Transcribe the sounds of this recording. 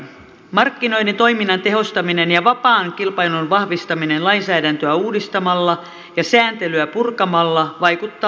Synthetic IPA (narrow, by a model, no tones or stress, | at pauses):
mɑrkːino̞jdent̪o̞iminːɑnt̪e̞ɦo̞st̪ɑmine̞njɑʋɑpɑːŋkilpɑjlunʋɑhʋist̪ɑmine̞nlɑinsæːdænt̪øæuːdist̪ɑmɑlːɑ | jɑsæːnt̪e̞lyæpurkɑmɑlːɑʋɑjkut̪ːɑ